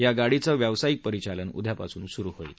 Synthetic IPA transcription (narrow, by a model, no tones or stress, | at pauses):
jaɡaɽ̤it͡səʋjaʋsajik̚pəɾit͡ɕalənṵd̪ʱjapasuːnsuɾuɦoil